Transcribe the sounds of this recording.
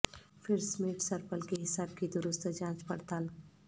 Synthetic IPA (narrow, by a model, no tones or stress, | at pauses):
fʰɪɾsmeːʈsəɾpəlkeɦɪsaːb̚kid̪ʊɾʊst̪d͡ʒãːt͡ʃpɐɽt̪aːl